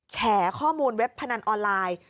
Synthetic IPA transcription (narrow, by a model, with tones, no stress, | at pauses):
t͡ɕʰɛː˩˦kʰɔː˥˩muː˧nwe˦˥pʰːa˧na˧nʔɔː˧nlaː˧j